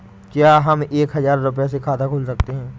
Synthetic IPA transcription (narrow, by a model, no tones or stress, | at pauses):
kjaːɦɐmeːkɦɐzaːɾːʊp̬jasekʰaːt̪akʰʊːlsɐk̚t̪eɦɛ̃ː